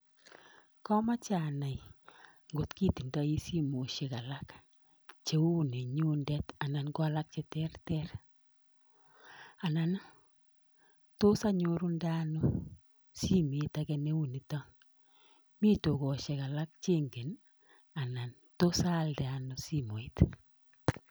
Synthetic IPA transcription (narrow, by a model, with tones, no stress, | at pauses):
kɔ˦ma˦t͡ʃa˨na˨j | ŋɡʊ˨tki˦ti˨nda˦i˦si˦mo˨ʃe˨ka˨la˦k | t͡ʃe˨u˦˨ne˨ɲu˦ndɛ˦ta˨na˨nkwa˦la˦k̚t͡ʃɛ˨˦tɛ˦rtɛ˦ɾ | a˨na˨n | to˦sa˦ɲoɾu˦nda˦no˦ | si˦me˨˦ta˦kɛ˦ne˦u˦ni˨tɔ˦ | mi˦to˨kɔ˨ʃe˨ka˨la˦k̚t͡ʃe˦ŋɡe˨n | a˨na˨n | to˦sa˦lde˨a˨no˨si˦mo˨i˦t